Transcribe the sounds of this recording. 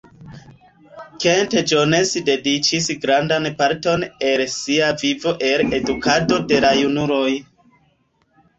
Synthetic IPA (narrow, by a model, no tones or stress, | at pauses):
kented͡ʒone̞sde̞dit͡ʃisɡɾandanpaɾto̞ne̞lsiavivo̞ʔe̞le̞dukʰado̞de̞lajunuɾo̞j